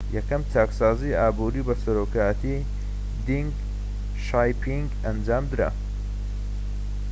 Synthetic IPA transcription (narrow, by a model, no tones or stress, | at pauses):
jɐkɐmt͡ʃʰaːksaːziaːbuɾibɐsɐɾoːkʰaːjɐt̪ʰi | d̪iŋɡ | ʃajpʰiŋɡ | ɐnd͡ʒaːmd̪ɨɾa̰